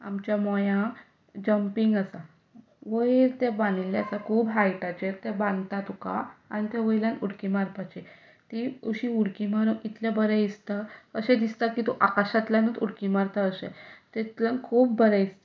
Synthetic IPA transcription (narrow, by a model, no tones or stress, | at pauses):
a̰mt͡ɕjamɔjã | d͡ʑəmpiŋɡasa | ʋəiɾt̪ebãnilːaasakʰuːbɦajʈat͡ɕeɾt̪ebãnɡt̪at̪ukaa̰ñit̪ɛʋəjiljãnuɽkimaɾpat͡ɕe | t̪iuɕiuɽkimaɾuit̪ljabəɾɛist̪akəɕẽd̪ist̪akit̪uʔakaɕat̪ljãnət̪uɽkimaɾt̪aəsḛt̪et̪lãnkʰuːbbəɾɛist̪a